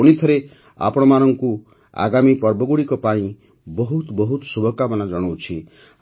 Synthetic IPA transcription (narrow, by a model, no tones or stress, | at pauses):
uɽ̃it̪ʰɔɾe | a̰pɔɽ̃ɔmanɔŋku | a̰ɡamipɔɾbɔɡuɽikɔpaĩ | bɔɦut̪bɔɦut̪subʱɔkabɔnad͡ʒɔɽ̃ɔwt͡ʃʰi